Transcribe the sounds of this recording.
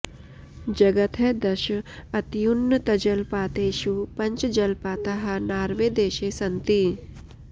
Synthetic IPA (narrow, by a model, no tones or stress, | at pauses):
d͡ʒɐɡɐt̪ʰed̪ɐʃɐt̪junːət̪ɐd͡ʒɐlpaːt̪eːʃupɐɲt͡ʃd͡ʒɐlpaːt̪ɐɦɐ̆naːɾʋeːd̪eːʃeːsɐnt̪i